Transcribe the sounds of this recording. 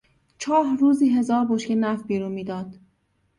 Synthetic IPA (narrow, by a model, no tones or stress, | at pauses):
t͡ʃʰɒːhruːziːɦe̞zɒːɾboʃkenæfbiːɾuːnmiːd̪ɒːd̪̥